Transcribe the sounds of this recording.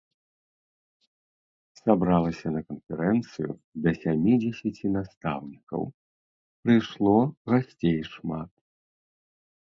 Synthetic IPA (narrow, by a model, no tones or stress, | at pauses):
sabɾalˠɐsʲɐnɐkɐnfʲɛɾɛnt̪sɨjṵd̪ɐsʲamʲid͡zʲɛsʲɐt͡sʲinast̪a̰wnʲikɐ̰w | pɾɨjʂlˠɔɣasʲt͡sʲejʂmat̪